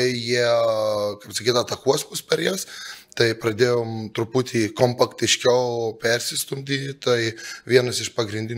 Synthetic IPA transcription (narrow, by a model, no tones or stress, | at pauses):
ɪjiɛ | kɐɪpsɐkʲiːt̪ɐt̪ɐkuɔsmʊspʲɛɾʲjɛst̪ɐɪpɾɐd̪ʲeːjoːmt̪ɾʊpuːt̪ʲʰiːkompɐkt̪ʲɪʃʲkʲɛʊpʲɛɾʲsʲɪst̪ʊmʲd̪ʲiːt̪ɐɪʋʲiɛnɐsɪʃpɐɡɾʲɪnʲd̪ʲɪn